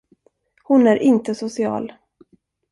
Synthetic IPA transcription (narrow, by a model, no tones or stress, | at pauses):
hʊnæɾʔɪnt̪əsʊsɪɑ̰ːl